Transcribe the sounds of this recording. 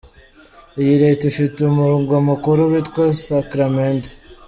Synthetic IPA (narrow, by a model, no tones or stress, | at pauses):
jiɾetufitumuɾuŋɡwomukuɾuβitkosakɾament